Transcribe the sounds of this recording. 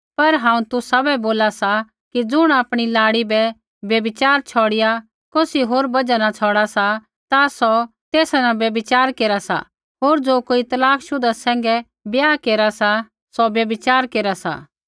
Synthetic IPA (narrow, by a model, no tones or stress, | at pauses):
pɐɾɦãːũt̪ʊsabɛboːlasa | kid͡zʊɽ̃aːpɽ̃ilaːɽibɛ | bjɐbɪt͡ʃaːɾt͡ʃʰɔːɽɪja | koːsiɦoːɾbɐd͡ʒanat͡ʃʰɔːɽasa | t̪asɔt̪eːsanabjɐbɪt͡ʃaːɾkeːɾasa̰ | ɦoːɾd͡zoːkoːit̪ɐlaːkʃʊd̪asɛ̃ːŋ̆ɡɛ | bjaːkeːɾasa | sɔbjɐbɪt͡ʃaːɾkeːɾasa̰ː